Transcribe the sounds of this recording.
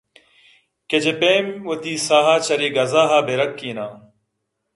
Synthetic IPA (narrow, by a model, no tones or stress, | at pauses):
ked͡ʑepeːmwɐt̪iːsaːɦaːt͡ɕɐɾiːɡɐzaːɦaːbeɾɐkːiːnaː